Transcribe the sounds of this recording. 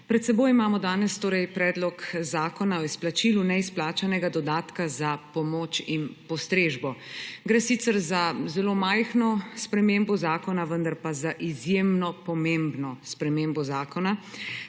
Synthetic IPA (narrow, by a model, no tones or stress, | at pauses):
pɾɛt̪sɛboːjimaːmɔd̪aːnɛst̪oːɾɛjpɾɛːd̪lɔkzaːkɔnaɔisplat͡ʃilunɛisplaːt͡ʃanɛɡad̪ɔd̪aːt̪kazapɔmoːt͡ʃinpɔst̪ɾeːʒbɔɡɾɛsit̪sɛɾzazɛloːmajxnɔspɾɛmembɔzaːkɔnaʋənd̪aɾpazaʔizjemnɔpɔmembnɔspɾɛmeːmbɔzaːkɔna